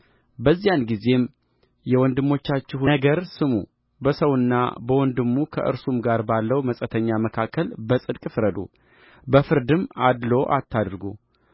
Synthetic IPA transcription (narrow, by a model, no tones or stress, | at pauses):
bəzːijanɡize̞m | jɛwɔnd̪ɨmːo̞t͡ʃːat͡ʃːɪɦɡəɾsɨmṵ | bəsəwɨnːa̰bəwɔnd̪ɨmːukʰə̰ʔɨ̰ɾsumɡaɾbalːəwməsʼət̪ʰəɲːaməkʰakʰːəlbəsʼɨd̪kʼfɾəd̪ṵ | bəfɨɾd̪ɨmad̪lo̞ʔa̰t̪ʰːad̪ɾɡṵ